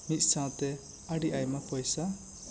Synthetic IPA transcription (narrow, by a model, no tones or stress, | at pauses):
mit̪̚ˀsãwt̪ɛ | aɖiʔajmapɔjsa